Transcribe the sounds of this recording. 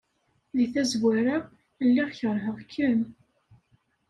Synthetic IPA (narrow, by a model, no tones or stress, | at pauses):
ðiθæzwæɾa | lːiʁçəɾˤɦəʁkʰːəm